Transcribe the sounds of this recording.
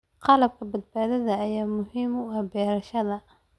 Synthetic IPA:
qɑlɐb̚kʰɐbɐd̪̚baːðɐðɐːjaːmʊhɪmwɛːbɛːɾɐʃɐðɐ

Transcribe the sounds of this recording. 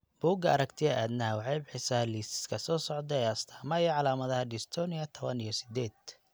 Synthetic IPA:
b̥uːɡɐɐɾɐkt̪ʰɪɐʔaːd̪nɐɦwɑħɑjbɪħɪsɐhliːsɪ̥skʰɐsɔːsɔʕd̪ɛɛjɐst̪ʰḁːmɐjɐʕɑlaːmɐðɐhɐɖɪst̪ʰɔːniɐt̪ʰɔβɐnijɔsɪ̥d̪ɛːd̪̚

